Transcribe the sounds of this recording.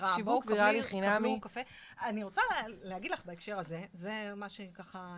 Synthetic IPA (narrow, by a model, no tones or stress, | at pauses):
aʃiboukviʁaliχinamukafeaniʁot͡salehaɡid̪laχbaekʃe̞ʁaze̞ze̞maʃekaχa